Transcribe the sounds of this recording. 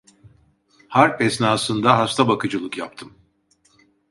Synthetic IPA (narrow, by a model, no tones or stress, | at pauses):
haɾpɛsnaːsɯnd̪aɦast̪ʰabakɯd͡ʒɯlˠɯkjapt̪ʰɯm